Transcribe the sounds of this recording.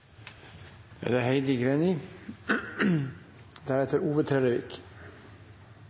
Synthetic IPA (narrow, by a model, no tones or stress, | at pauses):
æ̰d̪æhæɪd̪ɪɡɾeːnɪ | d̪æɾɛt̪ʰəɾuːʋət̪ʰɾɛləʋɪ̰k